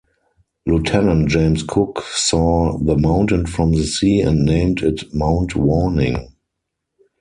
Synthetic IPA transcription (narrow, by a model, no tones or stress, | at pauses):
lutʰɛnə̃ntd͡ʒẽɪ̃mskʰʊksɔːðəmãʊ̃ntə̃nfɹɔ̃mðəsiːɛ̰̃ndnẽɪ̃mtɪtmãʊ̃ntwɔnɪ̰̃ŋ